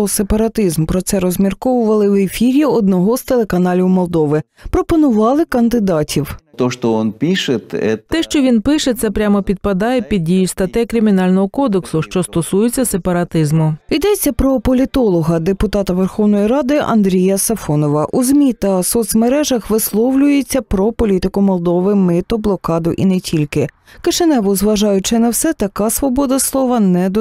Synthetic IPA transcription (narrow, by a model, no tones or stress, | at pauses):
sepɐɾɐt̪ɪzmpɾɔt̪sɛɾɔzʲmʲirkɔʋʊʋɐlˠɪwefʲiɾʲiɔd̪̚nɔɦɔz̥t̪elˠe̞kɐnɑlʲiwmɔlˠd̪ɔʋɪ | pɾɔpɔnʊʋɑlˠɪkɐnd̪ɪd̪ɑtʲʰiwt̪ɔʃt̪ɔɔnpʲiʃet̪ɛ̰t̪ɛʃt͡ʃɔʋʲinpɪʃɛt̪sɛpɾʲamɔpʲid̪̚pɐd̪ɑjepʲid̪̚ʲdʲijʊst̪ɐt̪ɛkɾʲɪmʲinɑlʲnɔɦɔkɔd̪eksʊʃt͡ʃɔst̪ɔsujɪt͡sʲːɐsepɐɾɐt̪ɪzmʊid̪ɛt͡sʲːɐpɾɔpɔlʲit̪ɔlˠɔɦɐd̪epʊt̪ɑt̪ɐʋerxɔwnɔjiɾɑd̪ɪʔɐ̰nd̪ɾʲijɐsɐfɔnɔʋɐʔuzʲmʲit̪ɐsɔt̪sʲmeɾɛʒɐxʋɪslˠɔwlʲʊjet͡sʲːɐpɾɔpɔlʲit̪ɪkʊmɔlˠd̪ɔʋɪmɪt̪ɔblˠɔkɑd̪ʊʔḭnɛtʲʰilʲkɪ | kɪʃenɛʋʊzʋɐʒɑjʊt͡ʃɪnɐwsɛt̪ɐkɑsʋɔbɔd̪ɐslˠɔʋɐnɛd̪